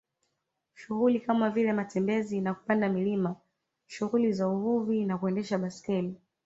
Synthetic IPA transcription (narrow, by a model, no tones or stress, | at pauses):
ʃuɣulikamavilɛmatɛmbɛzinaku̥pandamilima | ʃuɣulizauvuvinakuɛndɛʃaɓaskɛli